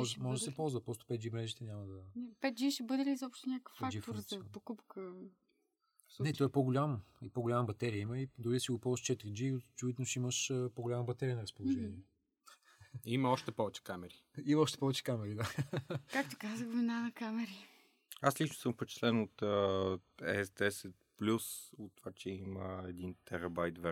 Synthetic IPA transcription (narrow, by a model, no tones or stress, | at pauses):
mɔʒmɔʒɛd̪ɐsɛpɔlˠzvəpɾɔst̪ʊ̥pɛt̪̚d͡ʒimɾɛʒit̪ɛnʲamɐd̪ɐnɛpɛt̪̚d͡ʒiʃɛbɤd̪ɛliːzɔpʃt̪ʊnʲakə̥fɛad͡ʒifɾspokupkə | nɛt̪ɔɛpoɡʊlʲamipoɡʊlʲamɐbɐt̪ɛɾiəiməid̪ʊɾid̪ɐsiɡʊpɔlˠzəʃt͡ʃɛt̪ɾid͡ʒit͡ʃuvit̪nʊʃiməʃəpoɡʊlʲamɐbɐt̪ɛɾʲiənɐɾɐspolˠʊʒɛniɛ | iməɔʃt̪ɛpɔvɛt͡ʃɛ̥kamɛɾiimɐɔʃt̪ɛ̥pɔvɛt͡ʃɛ̥kamɛɾid̪akak̚t̪okazəxvinanɐkamɛɾi | aslit͡ʃnʊ̥səmfpɛt͡ʃɛ̥slɛnot̪ə | ɛ̰sd̪ɛsɛt̪̚plʲusot̪ːovat͡ʃɛiməɛd̪int̪ɛɾɐbajt̪vɛ